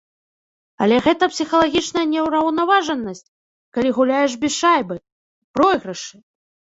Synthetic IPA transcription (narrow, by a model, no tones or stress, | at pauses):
ɐlʲɛɣɛt̪ɐpsʲixɐlˠaɣʲit͡ʂnɐjɐnʲɛwɾɐwnavaʐɐnːɐsʲt͡sʲ | kalʲiɣulʲajɛʐ̬bʲiʂajbɨ | pɾɔjɣɾɐʂɨ